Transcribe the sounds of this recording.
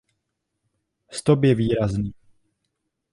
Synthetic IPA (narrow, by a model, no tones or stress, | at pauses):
st̪opjɛviːɾazniː